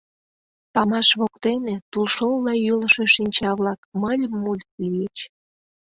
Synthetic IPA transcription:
pɑmɑʃβokt̪enet̪ulʃollɑjyləʃe̽ʃinʲt͡ɕɑβlɑkməlʲmːulʲkijet͡ɕ

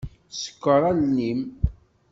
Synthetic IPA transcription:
sə̥kʷːəɾˤɑlnim

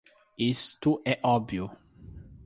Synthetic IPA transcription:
ist̪ʊʔɛʔɔbju

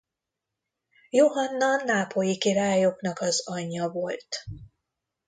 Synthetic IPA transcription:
joɦɒnːɒnːaːpʰo̞jikiɾaːjo̞knɒkɒzɒɲːɒvo̞lt̪

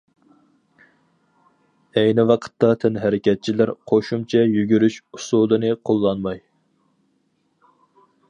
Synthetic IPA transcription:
ɛjnɪwɑqʰə̥t̪ːɑt̪ʰɛnɦɛɾɪkʲɛt̪̚t͡ʃʰilæɾqʰoʃumt͡ʃʰɛjyɡʲyɾyʃusud̪ɨnɨqʰolˠːɑnmɑj

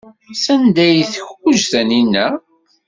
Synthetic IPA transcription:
sænd̪æjθəçuʒθæninːæ

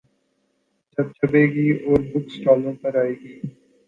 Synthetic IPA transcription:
d͡ʒɐb̚t͡ʃʰɐbeːɡiːoːɾbʱʊksʈɔːlõpəɾaːeːɡiː

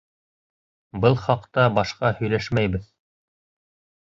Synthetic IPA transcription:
bɤlˠχɑqt̪ɑbɑʃqɑhɵ̆jlæʃmæjbɘð

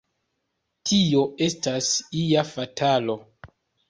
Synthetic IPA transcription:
tʰio̞e̞stasiafatʰalo̞

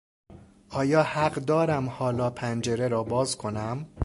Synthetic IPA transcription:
ʔɒːjɒːhæɢd̪ɒːɾæmhɒːlɒːpʰænd͡ʒe̞ɾeɾɒːbɒːzkʰo̞næm

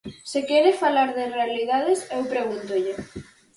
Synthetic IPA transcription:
sekɛɾɪfalaɾðɪrealiðaðɪsewpɾeɣunt̪ʊʎɪ

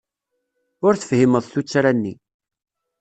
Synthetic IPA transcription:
ʊɾθəfhiməðˤθut͡sːɾænːi

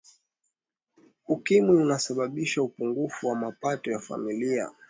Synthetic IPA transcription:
ukimwiunasaɓaɓiʃaupuŋɡufuwamapatɔjafa̰milia̰

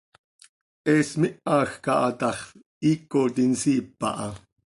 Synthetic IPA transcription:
ʔɛːsmiʔɑːxkɑʔɑt̪ɑχ | iːkot̪insiːpːɑ̰ʔɑ

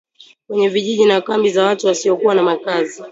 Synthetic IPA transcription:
kwɛɲɛviʄiʄinakambizawatuwasiɔkuwanamakazi

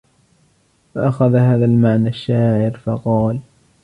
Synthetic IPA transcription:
faʔaxaðhaːðalmaʕnaʃːaːʕɪɾfɑqɑːl

